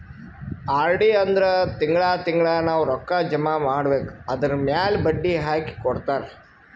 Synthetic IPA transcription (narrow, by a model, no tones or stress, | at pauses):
aːɾɖiɐnd̪ɐɾet̪iŋɡɭaːt̪iŋɡɭaːnaːwɾɔkːad͡ʒɐmaːmaːɽbeːkuɐd̪ɐɾmjaːlbɐɖːiɦaːki̥kɔɽt̪aːɾe